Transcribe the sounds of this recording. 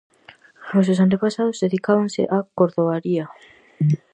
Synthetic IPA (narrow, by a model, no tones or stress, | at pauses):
os̬os̬ant̪epasaðozðeðikaβaŋsḛʔakoɾðoɣaɾia